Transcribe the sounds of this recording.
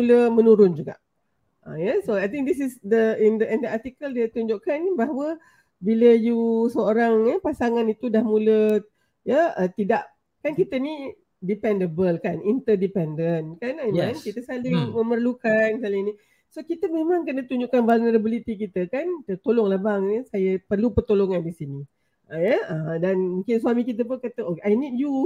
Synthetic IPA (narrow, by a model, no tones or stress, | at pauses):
uləmənuɾʊnd͡ʒuɡa̰ʔ | əjasoajt̪ĩŋk̚d̪isɪsd̪əind̪əʔɛndəat̪ikəldit̪uɲd͡ʒuʔkanbaɦawə | biləjusəoɾaŋjəpasaŋanit̪udahmulə | jaət̪idaʔ | kankit̪əni | dipɛndəbəlkanint̪ədipɛndənkanankankit̪əsalɪŋməmərlukansalɪŋni | sokit̪əmemãŋkənət̪uɲd͡ʒuʔkanvalnəɾəbəlit̪ik̬it̪əkant̪ət̪oloŋlabaŋəsajəpərlupərt̪oloŋandisini | jəədanmũŋkɪnsuamikit̪̬əp̬ʊnkat̪əokajnid̚ju